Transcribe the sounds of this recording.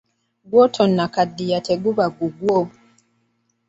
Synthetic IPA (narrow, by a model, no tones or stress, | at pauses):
ɡwɔtʰɔnːakadːijatʰɛɡuβaɡuɡwo